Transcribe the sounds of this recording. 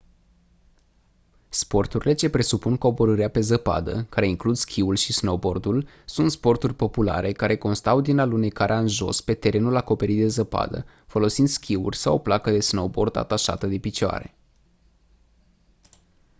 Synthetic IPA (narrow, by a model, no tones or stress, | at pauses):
spo̞rt̪uɾile̞t͡ʃe̞pɾe̞supunko̞boɾəɾiape̞zəpa̰d̪ə̰kaɾe̞iŋklud̪skʲʰiulʃisno̞bo̞rd̪ul | sunt̪spo̞rt̪urʲpo̞pula̰ɾʔe̞kaɾʔe̞ko̞nst̪awd̪inalune̞kaɾʔeaɨnʒo̞̰spe̞t̪e̞ɾe̞nulako̞pe̞ɾit̪̚d̪e̞zəpa̰d̪ə̰ | fo̞lo̞sind̪skʲiṵrʲsawoplakəd̪e̞sno̞bo̞rd̪a̰t̪aʃa̰t̪əd̪e̞pit͡ʃoa̰ɾe̞̰